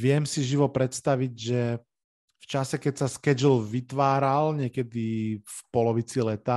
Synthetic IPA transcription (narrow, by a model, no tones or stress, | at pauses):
ʋɪɛmsiʒiʋɔpɾɛt̪st̪aʋiɟʒɛ | ft͡ʃasɛkɛcsaskɛd͡ʒlʋit̪ʋaːɾalɲɪɛkɛd̪ifpɔlɔʋit͡silɛt̪a